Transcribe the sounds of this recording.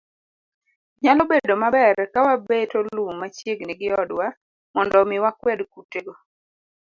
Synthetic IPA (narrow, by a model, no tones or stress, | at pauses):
ɲalɔbedomabɛɾkawabetollumat͡ʃeɡniɡɪɔdwa | mɔndɔmɪwakwɛdkuteɡɔ